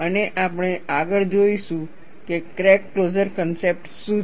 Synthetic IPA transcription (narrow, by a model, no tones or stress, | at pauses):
əneʔapəɽ̃eaɡəɭd͡ʒoiʃũ | kekɾekːlod͡ʒəɾkənsep̚ʈsũ